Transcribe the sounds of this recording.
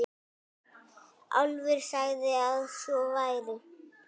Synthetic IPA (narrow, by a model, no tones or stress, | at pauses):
a̰wlvɛɾ̥saɣðɪaðsjɔvajðɪ